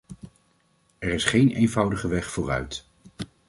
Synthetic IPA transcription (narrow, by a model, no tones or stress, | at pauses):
ɛɹɪsχejnejnvʌwdəχəʋɛχfʊːrœ̰ɥt